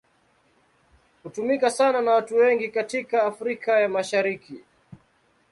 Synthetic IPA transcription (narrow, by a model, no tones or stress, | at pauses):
hutumikasananawatuwɛŋɡikatikaːfɾikajamaʃaɾiki